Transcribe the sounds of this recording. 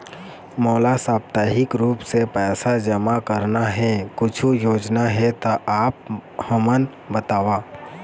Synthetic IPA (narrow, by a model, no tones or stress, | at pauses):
mɔːlasaːp̚t̪aːɦɪkɾuːpsepɛːsad͡ʒəmakəɾnaɦɛkʊt͡ʃʰujoːd͡ʒnaɦɛt̪oʔaːp̚həmən | bət̪aːʋaː